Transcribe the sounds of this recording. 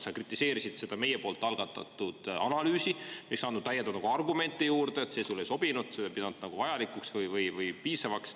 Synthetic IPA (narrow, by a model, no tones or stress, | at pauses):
sɑkrit̪ːˑise̞ːɾisid̪̥se̞d̪ɑme̞jepo̞ːlt̪ːˑɑlɡ̥ɑt̪ːˑɑ̰t̪ːˑud̪̥ɑnɑlyːsieksɑːnud̪̥t̪ːæjːed̪ɑnnɑɡ̥uɑrɡume̞nʲt̪ːˑejuːrd̪eet̪sesulːejso̞b̥inud̪̥se̥pid̪ɑnud̪̥nɑɡ̥uvɑjɑlikuksvɯjvɯjvɯjpiːsɑvɑks